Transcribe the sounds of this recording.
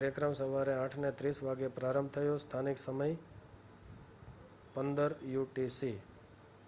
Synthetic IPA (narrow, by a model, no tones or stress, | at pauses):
aɾjəkɾəmsəʋaɾeãʈʰnet̪ɾisʋaɡepɾaɾəmb̚ʱt̪ʰəjõst̪ʰaniksəməj | pənd̪əɾjuʈisi